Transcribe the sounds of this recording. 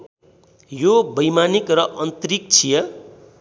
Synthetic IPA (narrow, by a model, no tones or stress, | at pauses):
jobʌjmanikrʌʔʌnt̪rik̚t͡sʰijʌ